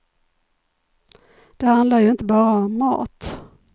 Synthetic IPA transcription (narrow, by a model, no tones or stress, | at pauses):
d̪̥ɛhand̪laɾjɵɪnt̪əbɑːɾaɔmːɑ̰ːt̪